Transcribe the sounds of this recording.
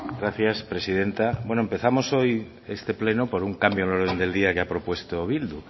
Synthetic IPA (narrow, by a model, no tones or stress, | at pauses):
ɡɾaθjaspɾe̞siðent̪abwe̞noempe̞θamo̞so̞j | est̪e̞ple̞nopoɾuŋkambjolo̞ɾð̞end̪e̞ld̪iakeapɾo̞pwe̞st̪oβild̪u